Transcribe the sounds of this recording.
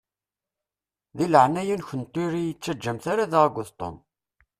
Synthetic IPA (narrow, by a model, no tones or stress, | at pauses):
ðiləʕnæjunçənt̪ːuɾijət͡sːæd͡ʒːəmθaɾaðaʁɡʷːʊθt̪ˤːo̰m